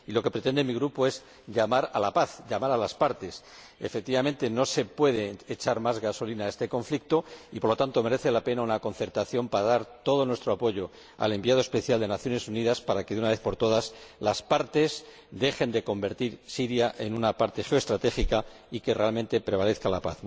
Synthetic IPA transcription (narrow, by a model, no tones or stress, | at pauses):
ilo̞ke̞pɾet̪e̞nd̪emiɣɾupo̞e̞z | ʎamaɾalapaθʎamaɾalaspaɾt̪e̞s | efek̚t̪iβamẽ̞nt̪e̞no̞se̞pwe̞ðe̞ːt͡ʃaɾmazɣaso̞linae̞st̪e̞ko̞ɱflik̚t̪o̞ipoɾlo̞t̪ant̪o̞me̞ɾe̞θe̞lape̞naunako̞nθe̞ɾt̪aθjo̞mpaɾaðaɾt̪o̞ðo̞nwest̪ɾo̞apo̞ʝo̞ | a̰le̞mbiað̞oe̞spe̞θjald̪e̞naθjo̞ne̞suniðaspaɾake̞ðunaβe̞θpo̞ɾt̪o̞ðaslaspaɾt̪e̞s | d̪e̞xe̞nd̪e̞ko̞mbe̞ɾt̪iɾsiɾjaʔe̞nunapaɾt̪e̞xeoe̞st̪ɾat̪e̞xika | ike̞re̞almẽnt̪e̞pɾe̞β̞ale̞θkalapa̰θ